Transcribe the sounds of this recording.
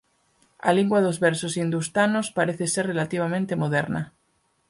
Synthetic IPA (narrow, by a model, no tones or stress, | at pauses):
a̰liŋɡwaðozβeɾsosind̪ust̪anospaɾeθeserrelat̪iβ̞amẽnt̪emoðeɾna